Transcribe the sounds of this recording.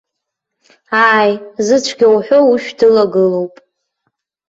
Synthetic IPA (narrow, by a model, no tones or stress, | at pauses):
aːjzɨt͡ɕʷʰɡʲawħʷo̞uʃᶣdɨlaɡɨlo̞wpʼ